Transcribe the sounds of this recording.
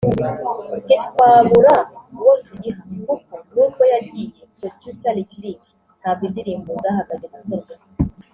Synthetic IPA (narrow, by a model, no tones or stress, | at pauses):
kitkwaːβuɾawontʰuɟiɦaɡukonuːkojaɟijepɾodjusaliklik | habɡindiɾiːmbozaɦaɡazeɡukoɾɡwa